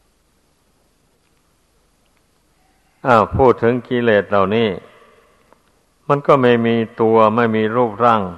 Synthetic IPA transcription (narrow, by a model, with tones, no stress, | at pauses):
ʔaː˧˩wpʰuː˥˩t̪ʰːɯ˩˦ŋkiː˧leː˨˩t̪̚la˨˩wniː˥˩ | ma˧˥nkɔː˥˩maː˧˩jmiː˧t̪u˧ɐma˥˩jmiː˧ɾuː˥˩p̚ɾa˥˩ŋ